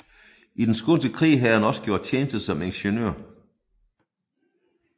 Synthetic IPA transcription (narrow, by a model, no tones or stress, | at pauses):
id̥ensɡ̥ond̥əkʰʁḭːɦæhænɒ̽sə̥ɡ̥jo̝ɐ̰d̥̚t͡sʰjeːnəsd̥ð̩sɒ̽meŋɕənø̰ːɐ̰